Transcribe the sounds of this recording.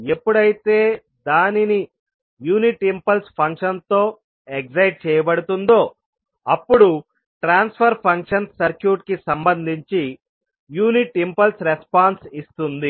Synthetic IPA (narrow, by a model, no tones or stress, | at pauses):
epːuɽɐjit̪e̞ː | d̪aːnini | juːniʈimpɐlspʰɐŋkʂɐnt̪o̞ː | ekd͡ʒɐjʈ̚t͡ʃɛːjɐbɐɽut̪und̪o̞ː | ɐpːuɽu | ʈɾaːnspʰɐɾpʰɐŋkʂɐnsɐɾkjuːʈkisɐmbɐnd̪ʱiɲt͡ʃi | juːniʈimpɐlsɾespaːnsist̪und̪i